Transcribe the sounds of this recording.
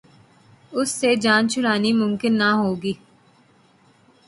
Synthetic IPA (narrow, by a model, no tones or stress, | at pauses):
ʊsːed͡ʒaːnt͡ʃʊɽaːniːmʊmkɪnːaɦoːɡiː